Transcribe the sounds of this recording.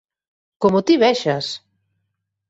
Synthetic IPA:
komot̪iβɛʃas

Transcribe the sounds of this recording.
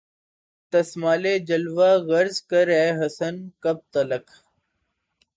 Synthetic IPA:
t̪əsmaːleːd͡ʒəlʋaːɣəɾzkəɾɛːɦəsənkəb̚t̪ələk

